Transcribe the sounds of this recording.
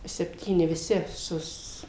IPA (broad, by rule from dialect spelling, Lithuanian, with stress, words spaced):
sʲɛpʲˈtʲiːnʲɪ ʋʲɪˈsʲɪ ˈsʊs